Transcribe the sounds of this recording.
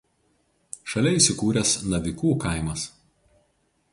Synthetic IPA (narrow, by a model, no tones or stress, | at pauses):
ʃɐlʲɛɪsʲɪkuːɾʲɛsnɐʋʲɪkuːkɐˑɪmɐs